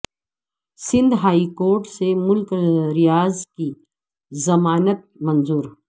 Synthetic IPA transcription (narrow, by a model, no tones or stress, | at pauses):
sɪ̃nd̪ɦaːikoːɾʈsemʊlkɾijaːzki | zɐmaːnət̪̚mɐ̃nzuːɾ